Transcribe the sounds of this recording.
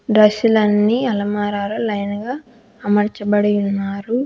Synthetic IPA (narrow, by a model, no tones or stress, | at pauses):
ɖɾɐʃulɐnːiɐlɐmaːɾaːɾɐlɐjnɐɡaː | mɐɾt͡ʃɐbɐɽɐjunːaːɾu